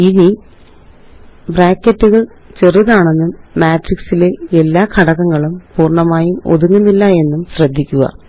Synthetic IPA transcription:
ini | braːkːɐtːuɣɐɭ | t͡ɕe̞riðaːɳe̞nːumaːtriksileelːaːkʰɐɽɐkːɐŋːɐɭumpuːrɳɐmaːjumo̞̰ðuŋːunːilːɐe̞nːumɕrɐd̪ʱːikʲːuɣɐ̰

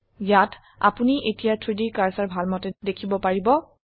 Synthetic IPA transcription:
jat | a̰puniʔetijatʰɹidikaɹsaɹbʱalmɔtɛdekʰibɔpaɹibɔ

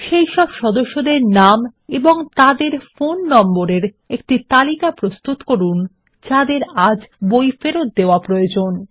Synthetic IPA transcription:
ʃejʃɔbʃɔd̪oʃːod̪eɾnameboŋt̪ad̪eɾfonːɔmboɾeɾ | ek̚ʈit̪alikapɾost̪ut̪koɾun | d͡ʑad̪eɾad͡ʑbojfeɾot̪̚d̪eoapɾojod͡ʑon

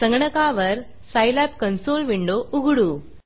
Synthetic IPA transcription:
sɐŋɡɐɳɐkaːʋɐɾ | sajlæːpkɐnsoːlʋiɳɖouɡuɽu

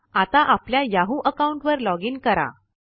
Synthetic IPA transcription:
at̪aʔapljajaɦuʔəkauɳʈʋəɾlɔɡiːnkəɾa̰

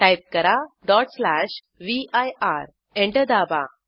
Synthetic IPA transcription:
ʈajp̚kəɾaɖɔʈslaɕ | ʋiajaɾ | ẽɳʈəd̪aba̰

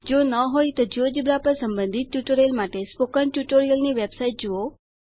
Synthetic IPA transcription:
d͡ʒonəɦojt̪od͡ʒod͡ʒibɾapəɾsəmbənd̪ʱit̪̚ʈjuʈoɾiəlmaʈespokəɳʈjuʈoɾijəlniʋebsaiʈ̚d͡ʒuo

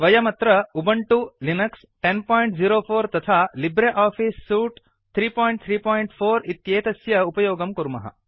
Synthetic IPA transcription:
ʋɐjɐmɐt̪ɾɐubɐɳʈulinɐks | ʈenpɔːjiɳʈd͡ziːɾoːfʰoːɾt̪ɐt̪ʰaːlibɾeʔaːfʰisːuːʈ | t̪ʰɾiːpɔːjɳʈ̚t̪ʰɾiːpɔːjiɳʈfʰoːɾit̪jeːt̪ɐsjɐupɐjoːɡɐmkuɾmɐ̰ɦɐ̰

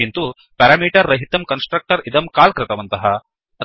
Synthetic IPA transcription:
int̪u | pɐɾaːmiːʈɐɾːɐɦit̪ɐmkɐnsʈɾɐk̚ʈɐɾid̪ɐmkaːlkɾɪt̪ɐʋɐnt̪ɐɦɐ | ɐ

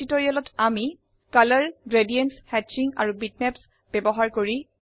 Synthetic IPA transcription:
itoɹijalɔtʰami | kaləɹɡɹedijɛnshɛt͡ʃiŋa̰ɹubitnɛps | b̥ɛbɔɦaɹkoɹi

